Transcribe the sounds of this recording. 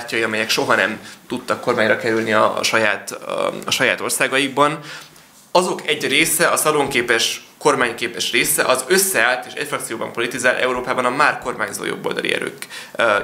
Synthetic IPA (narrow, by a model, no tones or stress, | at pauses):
arcɒjiɒmɛjɛkʃo̞ɦɒnɛmt̪ut̪ːɒkːo̞rmaːɲrɒkɛɾylniɒ̰ʃɒjaːt̪ɒʃɒja̰ːt̪o̞rsaːɡɒjiɡ̚bɒn | ɒzo̞kɛɟreːsɛʔɒsɒloŋkeːpɛʃko̞rmaːɲkeːpɛʃreːsɛʔɒzø̞sːɛaːlt̪eːʃɛ̰cfrɒktsijoːbɒ̰mpo̞lit̪izaːlʔɛ̰uɾoːpaːbɒnɒmaːrko̞rmaːɲzo̰ːjo̞̰bːo̰ld̪ɒ̰lḭɛ̰ɾø̰ːk